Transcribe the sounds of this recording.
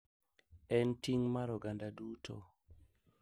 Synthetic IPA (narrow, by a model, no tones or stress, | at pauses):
ɛntiŋmaɾɔɡandadutʰo̰